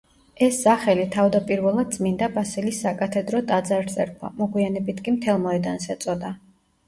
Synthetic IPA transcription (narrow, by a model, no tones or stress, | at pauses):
ɛsːaχɛlit̪ʰavd̪apʼiɾvɛlˠad̪̚d̪zmind̪abasɛlisːakʼat̪ʰɛd̪ɾɔt̪ʼad̪zaɾzɛɾkʰwa̰mɔɡwianɛbit̪ʰkʼimt̪ʰɛlˠmɔɛd̪ansɛt̪sʼɔd̪a